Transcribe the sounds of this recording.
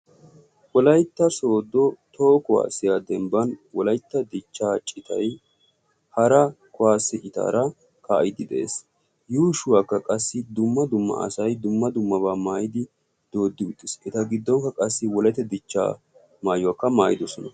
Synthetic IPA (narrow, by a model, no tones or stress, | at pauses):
wɔlɐjt̪ːɐso̞ːd̪ːɔt̪oːkɔwa̰ːsɪjad̪ɛmbɐnwɔlɐjt̪ːɐd̪ɪt͡ʃːaːt͡ʃʼːɪt̪ɐ̰j | hɐɾɐ | kɔwaːsːɪʔɪt̪a̰ːɾɐ | ka̰ːjɪd̪ɪd̪ɛʔḛːs | juːʃʊwaːkːɐkʼɐsːɪd̪ʊmːɐd̪ʊmːɐ̰ʔɐ̰sɐjd̪ʊmːɐd̪ʊmːɐβaːmaːjɪd̪ɪ | d̪̥o̞ːd̪ːɪʊt̪ʼːɪsɛt̪ɐɡɪd̪ːɔŋkːɐkʼɐsːɪwɔlɐjt̪ːɛd̪ɪt͡ʃːa̰ː | maːjʊwaːkːɐmaːjɪd̪ɔsɔnɐ